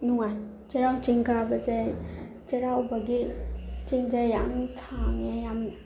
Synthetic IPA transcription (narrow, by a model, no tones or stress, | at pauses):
nuŋan | t͡ʃeɾawt͡ʃiŋkabad͡ʒaj | t͡ʃeɾawbaɡit͡ʃiŋd͡ʒajjamsʰaŋejam